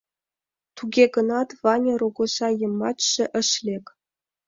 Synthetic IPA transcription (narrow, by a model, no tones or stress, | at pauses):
t̪uɡʲeɡɤ̆nɑt̪vɑnʲɤ̆ruɡŭʃɑjɤ̆mːɑtɕɘ̆ʔɘ̆ʃlʲekʲ